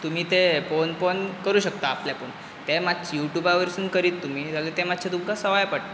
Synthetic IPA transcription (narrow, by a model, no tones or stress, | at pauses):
t̪um̤iːt̪efonpənkəɾuːɕəkt̪aːpljapon | t̪emad̪t͡ɕijuʈjubaʋəɾsuːnkəɾiːt̪ːum̤iːd͡zalet̪emad̪ɕʰed̪umkasəʋajpaɽt̪